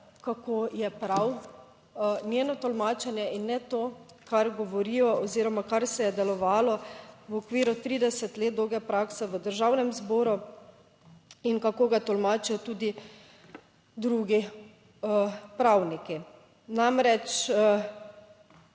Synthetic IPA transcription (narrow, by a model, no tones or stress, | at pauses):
kakojɛpɾaw | njeːnɔt̪ɔlmaːt͡ʃɛnjɛʔinːɛt̪oː | kaɾɡɔʋɔɾiːjɔɔziːɾɔmakaɾsɛjɛd̪ɛlɔʋaːlɔʋɔkʋiːɾut̪ɾiːd̪ɛsɛt̪leːt̪̚d̪owɡɛpɾaːksɛʋəd̪əɾʒawnɛmzboːɾu | inkakoːɡat̪ɔlmaːt͡ʃijɔt̪uːd̪i | d̪ɾuɡi | pɾawniki | namɾɛt͡ʃ